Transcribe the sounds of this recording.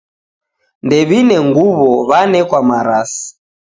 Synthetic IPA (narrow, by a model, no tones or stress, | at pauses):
ndɛβinɛŋɡuβɔβanɛkwamaɾasi̥